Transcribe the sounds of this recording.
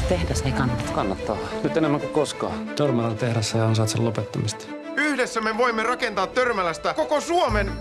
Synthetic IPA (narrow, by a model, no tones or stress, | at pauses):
t̪ehdæsnekɑnːɑt̪kɑnːɑt̪ːɑhɑnyt̪enemːæŋkukkoskɑ̰ːt̪ørmɑlɑlt̪ehɾæsseɑnsɑːt̪sḛllopet̪ːɑmist̪ | yhdesːæmeʋo̞imːerɑkent̪ɑːt̪tørmælæst̪ækokosuomen